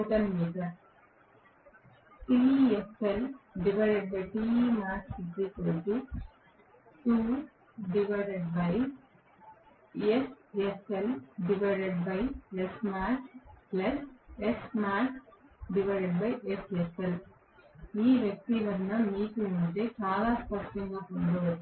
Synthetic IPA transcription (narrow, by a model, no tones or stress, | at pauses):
uːʈɐnmiːd̪ɐ | ʈieselɖiʋɐɾeɖ̚bɐjʈiːmaːɾksiɡikoɾd̪u | ʈuː | ɖiʋɐɖeɖbɐj | eseselɖiʋɐɾeɖ̚bɐjesmaːkplɐsesmaːɾkɖiʋɐɾeɖbɐjʔesesel | iːʋjɐk̚t̪iʋɐɾnːɐmiːkunuɳt͡ʃeːt͡ʃaːlaːspɐsʈɐŋɡaːpond̪oʋɐ